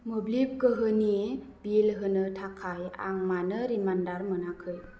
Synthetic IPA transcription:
mɯblip̚kɯɦɯni | bilɦɯnɯtʰakʰaja̰ŋmanɯɾimandaɾmɯnakʰɯj

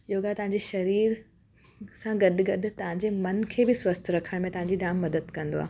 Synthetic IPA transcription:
ɪɦoɡat̪ɐʋɦãɲ̆d͡ʑeʃɐɾiːɾ | sãɡɐɗɡɐɗ̆t̪ɐʋ̤ãɲd͡ʑemɐnkʰeːbɪswɐst̪ʰɾɐkʰəɽ̃mẽt̪ɐʋɦãːɲ̆d͡ʑiɖaːmːɐd̪əd̪kɐ̃nd̪oa̰ː

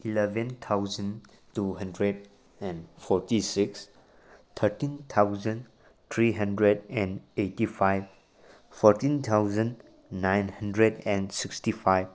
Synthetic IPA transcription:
ilɛvɛ̃nt̪ʰawzə̃n | tuɦə̃ndɾed̚ | ɛ̃nfʰɔɾtisiks | t̪ʰəɾtĩnt̪ʰawzə̃n | t̪ʰɾiɦə̃ndɾedɛ̃netifʰajv | fʰɔɾtĩnt̪ʰawzə̃nː | ajnhəndɾedɛ̃nsikstifʰajv

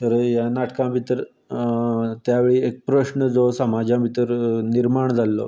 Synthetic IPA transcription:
t̪əɾjanaʈkãbʱit̪əɾ | t̪jaʋeɭiːek̚pɾəɕnəd͡zosəmad͡ʑãbʱit̪əɾniɾmaɳd͡zʱalːɔ̰

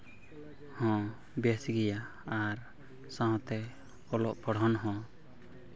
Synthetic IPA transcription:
hɔ̃ | bɛsɡɛjaː | ɾ | sãɦɔ̃t̪ɛ | ɔlɔʔpɔɽ̤ɦɔnɦɔ̃

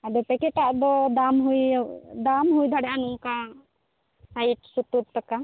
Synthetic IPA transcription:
ad̪ɔpɛkɛʈaʔd̪ɔd̪amɦujd̪amɦujd̪ʱaɽɛjanuʔka | sajʈsut̪ub̚t̪aka

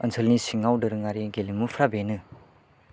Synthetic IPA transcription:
ənsʰɯlnisiŋawdɯɾɯŋaɾiɡelimːupʰɾabenɯ

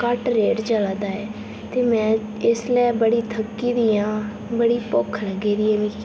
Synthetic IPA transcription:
kəʈɾeːʈt͡ʃəlaːd̪aːɛː | t̪eːmɛ̃ː | ɪslɛːbəɽiːt̪ʰəkːiːd̪iːjãː | bəɽiːpʊkʰləɡeːɾiːɛːʋĩː

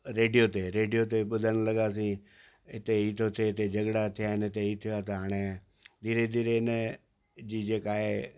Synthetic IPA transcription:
ɾeːɖijot̪eɾeːɖijot̪eɓʊd̪ʱəɽ̃ləɡaːs̬ĩː | ɪt̪eiːt̪ʰot̪ʰeɪt̪ed͡ʒəɡɽat̪ʰɪjaɪnt̪eiːt̪ʰɪjoat̪aɦaːɽ̃e | d̪ʱiːɾed̪ʱiːɾenə | d͡ʒiːd͡ʒeːkaːɦeː

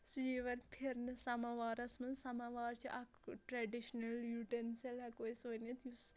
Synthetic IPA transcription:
sujiʋɐɾpʰiɾnɨsɐmaʋaːɾɐsmɨlsɐmaʋaːɾt͡ʃʰiʔɐkʈɾaɖiʃnɐljuʈenselɐkoːjsonet̪jus

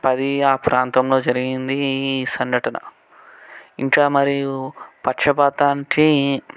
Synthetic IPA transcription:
pɐd̪iaːpɾaːnt̪ɐmlo̞ːd͡ʒɐɾiɡind̪iːsɐŋɡɐʈɐnɐ̰ | iɳʈlaːmɐɾijupɐʈʂɐbaːt̪aːnʈi

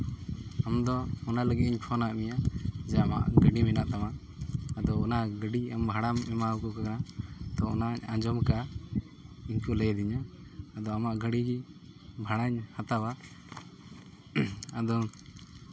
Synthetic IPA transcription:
amd̪ɔːnaləɡiiɲpʰɔnaʔmijad͡ʒɛama̰ʔɡəɖimɛnaʔt̪amaː | d̪ɔɔnaɡəɖiambʱaɽamɛmaukɔkakanat̪ɔɔ̰naɲãd͡ʒɔmka | iɲkuləjd̪iɲaːd̪ɔamaʔɡəɽiɡi | bʱaɽaɲhat̪awa | ad̪ɔ

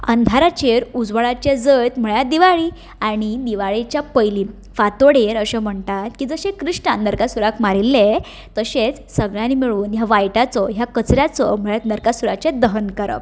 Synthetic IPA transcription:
ə̰nd̪ʱaɾat͡ɕeɾud͡zʋəɭat͡ɕed͡zəjt̪m̤əɭjad̪iʋaɭi | aɽ̃id̪iʋaɭet͡ɕjapəjliː | fat̪oɽeɾəɕem̤əɳt̪at̪kiːd͡zəɕẽkɾiʂʈanəɾkasuɾakmaɾilːe | t̪əɕet͡s | səɡɭanimiɭuːnjaʋajʈat͡sɔɦjakət͡sɾjat͡sɔm̤əɭjat̪nəɾkasuɾat͡ɕed̪əɦənkəɾə̰p

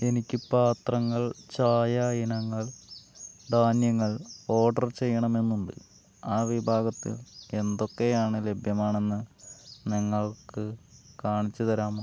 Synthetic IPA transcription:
e̞nikʲːɨpaːt̪rɐŋːɐɭt͡ɕaːjaːjinɐŋːɐɭ | d̪ʱaːnjɐŋːɐɭo̞ːɖɐrt͡ɕe̞jːɐɳɐme̞nːuɳɖɨ̰ | aːʋibʱaːɡɐt̪ːḭle̞nd̪o̞kːe̞jaːɳɨle̞bʱjɐmaːɳe̞nːɨniŋːɐɭkɨkaːɳit͡ɕːut̪ɐɾaːm

